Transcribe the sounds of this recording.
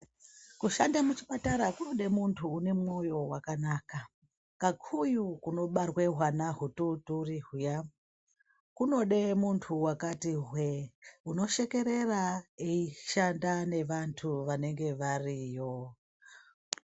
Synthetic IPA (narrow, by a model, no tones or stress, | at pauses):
kuʃandamut͡ʃipataɾakuno̞ɗe̞muntʰuːne̞mwo̞jo̞wakanaːka | kakʰujukuno̞ɓarwe̞ɦwanaɦututuriɦuja | kuno̞ɗe̞muntʰuwakatiɦweuno̞ʃe̞ke̞ɾe̞raeiʃandane̞ʋantʰuʋane̞ŋɡe̞ʋarijo̞